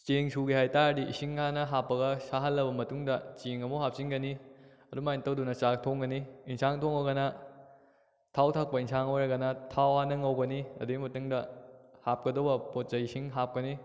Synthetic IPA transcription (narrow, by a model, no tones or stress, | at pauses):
t͡ʃeŋsuɡihajtaɾdiʔḭsiŋanɐɦapːɐɡɐsaɦɐlːɐbɐmɐtuŋdɐt͡ʃeŋɐmuɦap̚sinɡɐni | ɐdumajintɐwdunɐt͡ʃak̚tʰoŋɡɐniinsaŋtʰoŋɐɡɐnɐ | tʰawtʰak̚pɐinsʰaŋojɾɐɡɐnɐtʰawhanɐŋɐwɡɐniɐ̰duɡimɐtuŋdɐhap̚kɐdobɐpot̚t͡ʃɐisiŋɦap̚kɐni